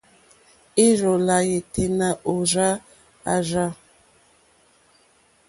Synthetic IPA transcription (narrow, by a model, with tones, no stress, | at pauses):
i˦ɾɔ˨la˨je˨te˨na˨ʔo˨ɾa˦ | a̰˨ɾa˦